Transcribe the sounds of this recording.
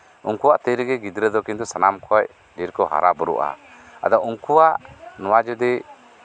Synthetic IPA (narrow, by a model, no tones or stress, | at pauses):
uŋkuwaʔt̪əɾiɡɛɡid̪ɾəd̪ɔkint̪usanamkʰɔj | ɖiɾkɔɦa̰ɾabəɾṵʔa̰ | a̰d̪ɔuŋkuwaʔnɔwad͡ʒɔd̪ɛ